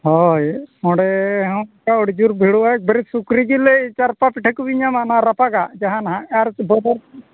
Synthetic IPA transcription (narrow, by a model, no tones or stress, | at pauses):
ɦɔjɔ̃ɽɛɦɔ̃kaɔɽd͡ʒuɾbʱiɽuak̚bəɾisukɾid͡ʒilɛt͡ʃaɾpapiʈʰɛkubiɲamanaɾapaɡad͡ʒaɦãnaɦãaɾbɔdɔɾ